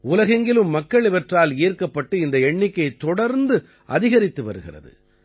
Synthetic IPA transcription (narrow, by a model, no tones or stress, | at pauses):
ʊlɐɣɐŋɡɪlɯmːɐkːɐɭɪʋɐʈraːleːrkɐpːɐʈːɯɪnd̪ɐɛɳːɪkːɐɪt̪ːɔɽɐɾnd̪ɯ | ʔɐðɪɣɐɾɪt̪ːɯʋɐ̰ɾɯɣɪ̰rɐ̰ðɯ̰